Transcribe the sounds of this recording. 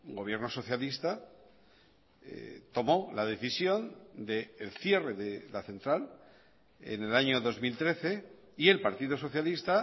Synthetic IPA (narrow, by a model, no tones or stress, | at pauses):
ɡo̞β̞je̞ɾno̞so̞θjalist̪a | ḛt̪o̞mo̞laðe̞θisjo̞nd̪e̞ːlθje̞re̞ðelaθẽ̞nt̪ɾal | ḛne̞laɲoðo̞zmilt̪ɾe̞θe̞ | ie̞lpaɾt̪iðoso̞θjalist̪a